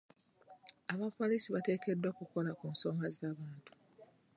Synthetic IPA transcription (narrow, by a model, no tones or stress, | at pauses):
aβapo̞lisiβate̞ːke̞dwakuko̞lakuːnso̞ːŋɡazaːβaːntu̥